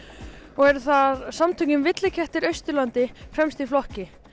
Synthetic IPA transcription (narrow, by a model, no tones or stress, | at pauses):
ɔɣɛɾθaðsamt̪ʰœɲʏmvɪt̪lɪcʰɛht̪ɪɾœɥst̪ʏlant̪ɪfɾɛmst̪iflɔhcɪ